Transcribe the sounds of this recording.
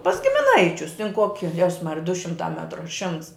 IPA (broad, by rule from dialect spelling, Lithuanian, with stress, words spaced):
pɐs ɡʲɪmʲɪˈnɐɪt͡ʃʲʊs tʲɪn ˈkoːkʲɪ ˈjɛss ˈmɑːrʲɪjɛ dʊ ˈʃʲɪmtɑː ˈmʲæːtrʊ ɐ ˈʃʲɪmts